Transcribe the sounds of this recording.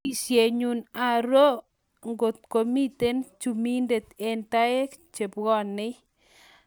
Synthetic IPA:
i˨sje˨ɲu˨na˨ɾo˦ | ŋɡo˨t̪̚ko˨mi˦t̪e˦nt͡ʃu˨mi˦nde˨t̪e˨nt̪a˦e˦t͡ʃe˨pɡɔ˦nːɪ˦

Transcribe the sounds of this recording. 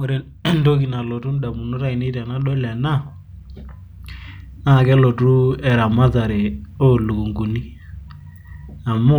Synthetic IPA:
o˦ɾɛ˦ | ndo˦ki˨na˨lɔ˨tu˦n˦ɗa˨mu˨nɔ˦ɾa˦i˨ne˦ta˨na˦ɗɔ˦la˨na˦˨ | na˦˨kɛ˦lɔ˨tu˦ɛ˨ɾa˨ma˦za˨ɾe˨o˦˨lu˨ku˨ŋɡu˨ni˦ | a˨mu˦

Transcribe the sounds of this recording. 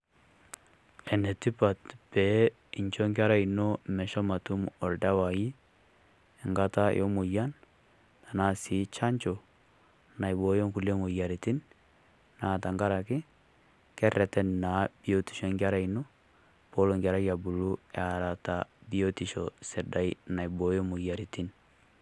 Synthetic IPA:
ɛ˨ne˨ti˦pa˨tpɛ˨ | i˨ɲt͡ʃo˦ŋɡɪ˦a˦ɾa˦i˨no˦mɛ˨ʃɔ˦ma˨tu˦mɔ˨ɾda˦wa˨ji˦ | ɛ˨ŋɡa˦ta˦jɔ˦mu˨ja˦n | a˨na˦sɪ˨˦t͡ʃa˦ɲt͡ʃo˨ | na˨jbo˦jo˦ŋku˨le˦ŋo˨ja˨ɾi˨ti˦n | na˨ta˨ŋɡa˦ɾa˨kɪ˦ | kɛ˦rɛ˨tɛ˦nna˨˦b̥i˦o˦ti̥˨ʃo˦ŋɡa˦ɾa˦i˨no˦ | b̥o˦lo˨ŋɡa˨ɾa˦ja˨bu˨lu˦aɾa˨ta˨bi˦o˦ti˨ʃo˨sɪ˨da˦jna˨jbo˦jo˦mʊ˨ja˨ɾi˨ti˦n

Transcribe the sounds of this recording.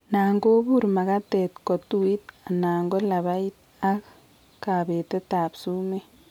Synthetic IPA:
naː˨ŋɡo˦buɾma˨ka˦te˨tko˨tu˦i˦t̚a˨naː˨ŋɡo˦la˨βa˦i˦t̪̚ | a˦k | kaː˨βete˦taː˨psu˦me˦

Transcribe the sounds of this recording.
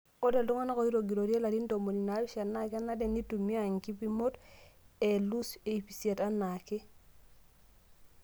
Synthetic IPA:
o˦de˨ldu˦ŋa˦na˦ko˨i˦ɾo˨ɡi˨ɾo˨ɾi˦e˦la˨ɾi˦nto˨mo˨li˨na˨˦bi˦ʃa˨na˦ka˦na˦de˨ni˦tu˨mi˦a˨ŋki˦pi˦mo˦te˨lu˦se˨i˨pi˨se˨ta˦na˨ke˦

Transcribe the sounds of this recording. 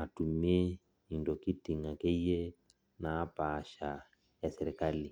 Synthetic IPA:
a˨tu˨mi˦ɛ˦ | i˨ndɔ˨ki˦ti˨ŋa˨kɛ˦jɛ˦ | naː˨˦pa˨ʃa˨ | ja˨sɛɾɛ˨kali˨

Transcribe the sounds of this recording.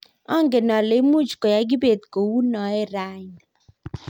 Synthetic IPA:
ɔ˦ŋɡe˨nɔ˨le˨˦mu˦t͡ʃkɔ˨ja˨˦ɡi˦be˨t̪̚ko˨wu˦nɔ˨ɛ˦˨ɾa˦ɲ

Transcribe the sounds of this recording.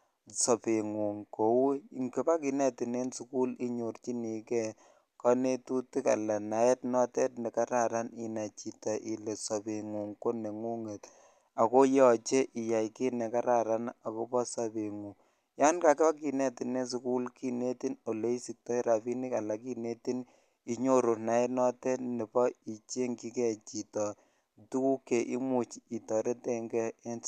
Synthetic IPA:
sɔ˨pe˨ŋu˨ŋko˨wŋki˦pa˦ki˨nɛ˦ti˨ne˦nsu˨ku˦li˦ɲo˨rt͡ʃi˦ni˨kɛ˦ | ka˦ne˦tu˦ti˦ka̰˨la˨na˨ɛ˦tnɔ˦tɛ˦t̚nɛ˨ka˦ɾa˨ɾa˦ni˨na˨t͡ʃi˨tɔ˨ʔi˨le˨sɔ˨pe˨ŋu˨ŋko˦ne˨ŋu˦ŋe˨t | a˨ko˦jɔ˨t͡ʃe˦ʔi˨ja˨jki˦ne˨ka˦ɾa˨ɾa˦na˨ko˦pɔ˦sa˨be˨ŋu˨ | ja˦nka˦ke˦a˦ki˨nɛ˦tɪ˨ne˦s̬u˨ku˦lki˦ne˦ti˦no˨le˦i˦si˨k̚tɔ˦i˦ɾa˨pi˦ni˦ka˨la˨ki˦ne˦ti˦n | i˦ɲo˦ɾo˨na˨˦e˦nɔ˦tɛ˦ne˨pɔ˦i˨t͡ʃe˦ŋki˦ke˨t͡ʃi˨tɔ˨ | tu˦ku˦ke˨ʔḭ˦mu˨t͡ʃi˨tɔ˨ɾe˦tɛ˦ŋɡɛː˦n

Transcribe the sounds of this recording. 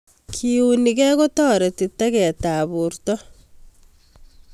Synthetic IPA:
kʰiuniɣɛ˦ɣo˦tɔː˦ɾe˨ti˨ta˦ɣɛ˨taβuɾtɔ˦

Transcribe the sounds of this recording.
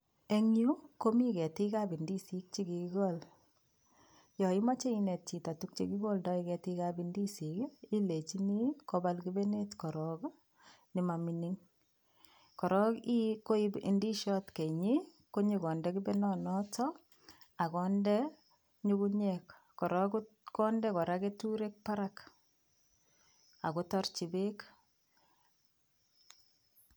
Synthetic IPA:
e˦ŋju˦ko˦mi˦kɛ˨ti˦ka˦bi˨ndi˦si˦k̚t͡ʃi˦ki˨ki˦ɡo˦l | jɔ˨i˦ma˦t͡ʃe˦i˦ne˨t̚t͡ʃi˨ta˨tu˦k̚t͡ʃe˦ki˦ɡo˦ldɔ˦i˨kɛ˨tika˦bi˨ndi˦si˨ki˦le˨t͡ʃi˦ni˦ko˦ba˦lki˦be˦ne˦tkɔ˨ɾɔ˨k | ni˨ma˨mi˨ni˦ŋ | kɔ˨ɾɔ˦ki˦ko˦ibi˨ndi˦ʃɔtke˨ɲi˦ | ko˦ɲi˦kɔ˨ndɛ˦ki˦be˦nɔnɔ˦tɔ | a˨kɔ˦ndɛ | ɲukuɲɛkː | ɔ˨ɾɔk | kɔ˦ndɛ˦kɔ˨ɾake˦tuɾe˦k̚pa˦ɾak | a̰˨ko˦tɔ˦rt͡ʃi˨be˦k

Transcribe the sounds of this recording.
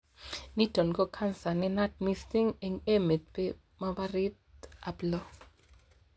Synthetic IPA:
ni˦tɔ˨nɡɔ˦kʰa˦nsa˨nɛ˦na˦t̚mi˦sti˦ŋe˨ŋe˦me˨t̪̚pe˦ | ma˦ba˦ɾɪ˦t̪̚a˨blɔ˦

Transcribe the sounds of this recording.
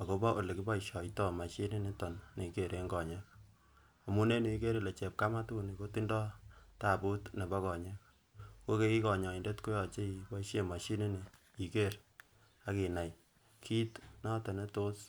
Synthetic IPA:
a˨ko˦ba˦ʔo˨le˨ki˦ba˦iʃjɔ˨itɔ˦ma˨ʃi˦ne˦ne˦tɔ˨nne˨i˨ke˨ɾʔe˨ŋɡɔ˨ɲɛ˦k̚ | a˨mu˦ne˦ne˨i˦ke˦ɾi˨le˨t͡ʃɛ˨p̚ka˦ma˦tu˦ni˨ko˦ti˦ndɔ˦ta˨bu˦tne˨ba˦kɔ˨ɲe˦k̚ | ko˦ke˦ki˦kɔ˨ɲɔ˨i˨nde˦tko˦jɔ˨t͡ʃe˦i˨ba˦i˦ʃe˨ma˨ʃi˦ne˦ne˨ | i˨ke˦˨ɾ | a˨˦ki˨na˨j | kʰi˦tnɔ˦te˨ne˦to˦s

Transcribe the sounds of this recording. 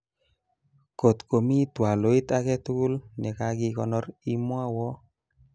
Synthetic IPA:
ko˨t̪ko˨mi˦twa˨lo˨˦i˦t̪a˦kɛ˦tu˦ku˦lnɛ˨ka˨˦ɡɪ˧kɔ˨nɔ˦ɾi˦mwa˦wɔ˦

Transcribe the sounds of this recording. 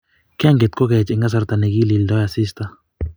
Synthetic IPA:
kɪ˦a˦ŋɡe˨t̪̚kɔ˦kɛ˨t͡ʃɪ˨ŋɡa˦s̬a˨ɾt̪a˨nɛ˨ki˦li˨ldɔ˦ja˨sɪ˦st̪a˦

